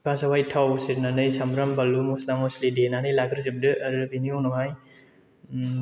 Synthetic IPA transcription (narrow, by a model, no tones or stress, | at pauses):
bʰasawajtʰawsiɾnanɯjsamɾɐmbalumuslamɔslidenanɯjlaɡɾzip̚dɯːɾɯbiniɔnɔmaj